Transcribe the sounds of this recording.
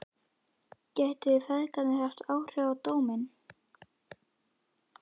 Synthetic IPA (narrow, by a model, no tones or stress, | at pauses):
cɛht̪ɪɪfɛðkanɪhɛft̪ʰaːwr̥ʏawt̪oːwmɪn